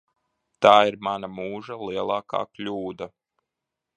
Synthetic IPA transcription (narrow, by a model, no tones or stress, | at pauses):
t̪aːiɾmanamuːʒaliɛlˠaːka̰ːklʲuːd̪a